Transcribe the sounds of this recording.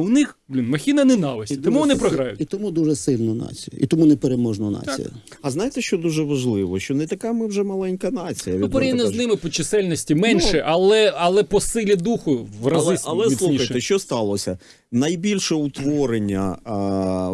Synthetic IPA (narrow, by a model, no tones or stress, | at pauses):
ʊnɪxblʲinmɐxʲinɐnɛnɑʋɪsʲit̪ɔmuʋɔnɪpɾɔɦɾɑjʊ̰tit̪ʲɔmud̪uʒɛsɪlʲnɔna̰t͡sʲijʊḭt̪ɔmunɛpeɾemɔʒnɔna̰t͡sʲḭjʊ̰ | ɐznɑjɪt̪ɛʃt͡ʃɔd̪uʒɛʋɐʒlˠɪʋɔʃt͡ʃɔnɛt̪ɐkamɪwʒɛmɐlˠɛnʲkɐnɑt͡sʲijɐʋʲiɪpeɾejʲnʲɛznɪmɪpɔt͡ʃɪsɛlʲnɔsʲtʲimɛnʲʃɛʔɐlˠɛɐlˠɛpɔsɪlʲid̪uxʊʋrɐzlɪsɐlˠɛsʲilunixɐj̪ɛʃt͡ʃɔst̪ɑlˠɔsʲɐ | nɐjbʲilʲʃɛʊt̪ʋɔɾenʲːɐ